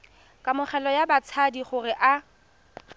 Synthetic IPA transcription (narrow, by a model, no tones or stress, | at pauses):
kʼamʊχɛlɔjabat͡sʰadiχʊrɪʔa